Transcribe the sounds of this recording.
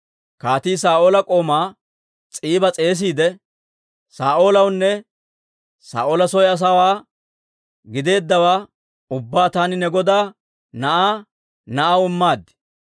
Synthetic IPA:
kaːt̪iːsaːʔo̞ːlɐkʼo̞ːmaː | t͡sʼiːbɐt͡sʼe̞ːs̬iːd̪ɛ | saːʔo̞ːlɐwnːɛ | sa̰ːʔoːlɐs̬ɔjɐs̬ɐwaː | ɡɪd̪e̞ːd̪ːɐwaː | ʊbːaːt̪aːnɪnɛɡɔd̪aː | nɐʔaː | nɐʔawɪmːaːd̪ːɪ̥

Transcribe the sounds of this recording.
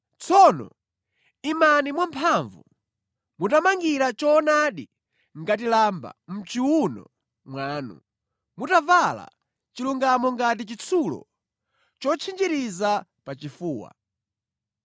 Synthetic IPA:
t͡sʰɔnɔ̰ | imanimwampʰaɱvṵ | mutamaŋɡiɾat͡ʃɔnaɗi | ŋɡatilamba̰m̩t͡ʃiwunɔ̰ | mwaːnṵ | mutavala̰ | t͡ʃiluŋɡamɔŋɡatit͡ʃit͡sʰulɔ̰ | t͡ʃɔt͡ʃʰind͡ʒiɾizapat͡ʃifuːwa̰

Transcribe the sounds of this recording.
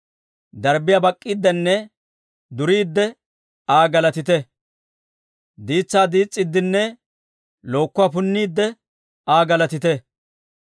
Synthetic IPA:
d̪ɐɾbɪjabɐkʼːiːd̪ːɛnːɛ | d̪ʊɾiːd̪ːɛ | aːɡɐlɐt̪ɪt̪ɛ | d̪iːt͡sːaːd̪iːt͡sʼːɪd̪ːɪnːɛ | lo̞ːkːʊaːpʊnːiːd̪ːɛ | aːɡɐlɐt̪ɪt̪

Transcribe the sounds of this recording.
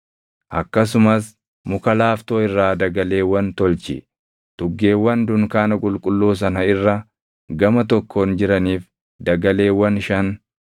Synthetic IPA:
ʔɐkːɐs̬ʊmɐs | mʊkɐlaːft̪oːɪrːaːd̪ɐɡɐle̞ːwɐnt̪ɔlt͡ʃɪ̰ | t̪ʊɡːeːwːɐnd̪ʊŋkaːnɐkʼʊlkʼʊlːoːs̬ɐnɐɪrːɐ | ɡɐmɐt̪ɔkʰːo̞ːnd͡ʒɪɾɐniːf | d̪ɐɡɐle̞ːwːɐnʃɐn

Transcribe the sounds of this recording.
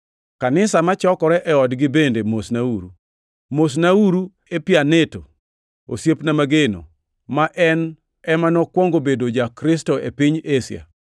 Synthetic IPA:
kanɪsamat͡ʃɔkɔɾɛʔɛɔdɡɪbendemosnauɾṵ | mos̬nauɾu | epjaneto | o̰sjepnamaɡeno̰ | maʔɛn | ɛmanɔkwɔŋɡobedod͡ʒakɾɪstoepiɲesɪ̰a̰

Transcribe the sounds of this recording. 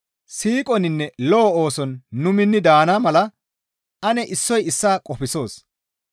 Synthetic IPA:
siːkʼɔnɪnːɛlɔːoːsɔnːʊmɪnːɪd̪aːnaːmɐlɐ | ʔɐnɛʔɪsːɔjɪsːaːkʼɔpɪso̞ːs

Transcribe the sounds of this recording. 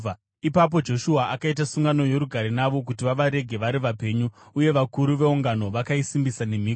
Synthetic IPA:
ipap̬o̞d͡ʒo̞ʃuaʔakait̬asuŋɡano̞je̞ɾuɡʱaɾenaʋo̞k̬utiʋaʋaɾe̞ɡʱe̞ʋaɾiʋape̞ɲuː | je̞ʋakuɾuʋe̞uŋɡano̞ʋakaisimbisane̞m̤iːk

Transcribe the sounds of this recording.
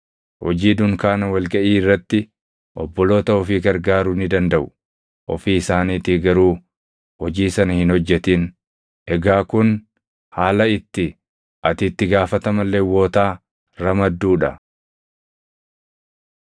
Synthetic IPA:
hɔd͡ʒiːd̪ʊŋkaːnɐwɐlɡɐʔiːɪrːɐt̪ːɪ | ʔɔ̰bːɔlo̞ːt̪ɐɔfiːɡɐɾɡaːɾʊnɪd̪ɐnd̪ɐʔʊ̥ | ʔɔ̰fiːɪsaːniːt̪ɪɡɐɾuː | hɔd͡ʒiːsɐnɐhɪnhɔd͡ʒːɛt̪iːn | ʔɛɡaːkʊn | haːlɐɪt̪ːɪ | ʔɐt̪ɪt̪ːɪɡaːfɐt̪ɐmɐlːeːwo̞ːt̪aː | ɾɐmɐd̪ːuːᶑɐ

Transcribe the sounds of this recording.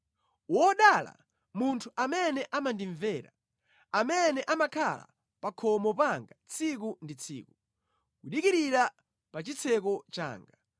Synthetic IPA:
wɔɗala̰ | muntʰuʔamɛnɛʔamandiɱvɛːɾa̰ | amɛnɛʔamakʰala̰ | pakʰɔmɔpaŋɡat͡sʰik̬undit͡sʰḭːku | kuɗikiɾiɾa | pat͡ʃit͡sʰɛk̬ɔt͡ʃa̰ːŋɡa

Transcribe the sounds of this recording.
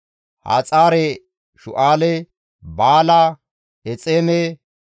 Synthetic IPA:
ha̰ːt͡sʼaːɾɛ | ʃʊʔaːlɛ | baːla | ɛt͡sʼeːmɛ

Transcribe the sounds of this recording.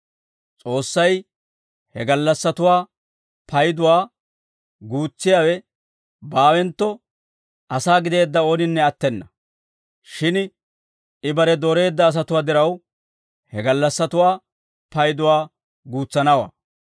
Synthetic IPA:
t͡sʼo̞ːsːɐj | hɛɡɐlːɐsːɐt̪ʊwaː | pʰɐjd̪ʊwaː | ɡuːt͡sːɪjaːwɛ | baːwɛnt̪ːɔ | ʔɐsaːɡɪd̪e̞ːd̪ːɐo̞ːnɪnːɛɐt̪ːɛnːɐ | ʃɪn | ɪbɐɾɛd̪oɾe̞ːd̪ːɐːs̬ɐt̪ʊwaːd̪ɪɾɐw | hɛɡɐlːɐsːɐt̪ʊwaː | pɐjd̪ʊwaː | ɡuːt͡sːɐnɐwa̰ː

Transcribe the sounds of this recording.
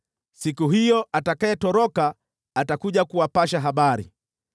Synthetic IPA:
sikuɦijɔʔatakaɛtɔɾɔkaː | takuʄakuwapaʃaɦaɓaɾḭ

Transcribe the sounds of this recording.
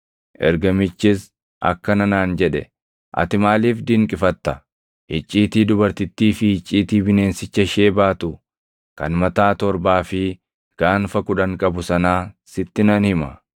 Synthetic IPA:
ʔɛ̰ɾɡɐmɪt͡ʃːɪs | ʔɐ̰kːɐnɐnaːnd͡ʒɛᶑɛ̰ | ʔɐ̰t̪ɪmaːliːfd̪ɪŋkʼɪfɐt̪ːɐ | hɪt͡ʃʼːiːt̪iːd̪ʊbɐɾt̪ɪt̪ːiːfɪhɪt͡ʃʼːiːt̪iːbɪne̞ːnsɪt͡ʃːɐʃeːbaːt̪ʊ | kɐ̰nmɐt̪aːt̪ɔɾbaːfɪ | ɡ̥aːnfɐkʊᶑɐŋkʼɐbʊsɐnaːsɪt̪ːɪnɐnhɪmɐ

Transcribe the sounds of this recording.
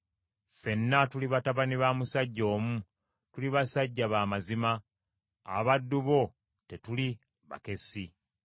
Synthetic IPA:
fe̞nːatuliβataβaniβamusaɟːo̞ːmu | tuliβasaɟːaβaːmazima̰ː | βadːuβo̞ | te̞tuli | βa̰ke̞si

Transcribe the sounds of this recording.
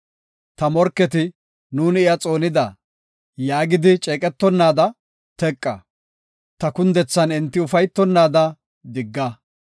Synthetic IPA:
t̪ɐmɔɾkːɛt̪ɪ | nuːnɪjɐt͡sʼo̞ːnɪd̪ɐ | jaːɡɪd̪ɪt͡ʃʼɛːkʼɛt̪ːɔnːaːd̪ɐ | t̪ɛkʼːɐ̰ | t̪ɐkʊnd̪ɛt͡sːɐnɪnt̪ːɪʊfɐjt̪ːɔnːaːd̪ɐ | d̪ɪɡːɐ

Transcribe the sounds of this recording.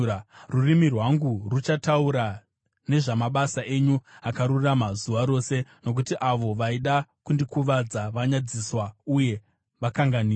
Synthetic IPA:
rurimirwaŋɡurut͡ʃatauɾa | ne̞ʐamaɓasaʔe̞ɲuakaɾuriramazuʋaɾo̞ːse̞no̞k̬utiʔaʋo̞ʋaiɗakundikuʋad͡zaʋaɲad͡ziswauje̞ | ʋakaŋɡaniː

